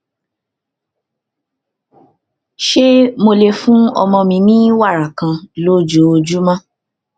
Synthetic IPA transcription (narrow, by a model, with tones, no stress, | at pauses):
ʃe˦mo˧le˧fũ˦ɔ̰˧mɔ̃˧mĩ˧mĩ˦wa˦˨ɾa˨kã˧lo˦d͡ʒo˨˦o˧d͡ʒu˦mã˦